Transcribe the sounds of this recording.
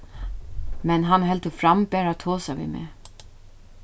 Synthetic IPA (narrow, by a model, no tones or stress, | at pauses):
mɛnɦanɦɛlt̪əfɾambɛːɾat̪ʰoːsaʋḭːmḛː